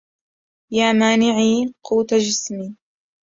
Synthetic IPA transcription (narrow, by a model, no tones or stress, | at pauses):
jaːmaːnɪʕiːquːt̪ad͡ʒɪsmiː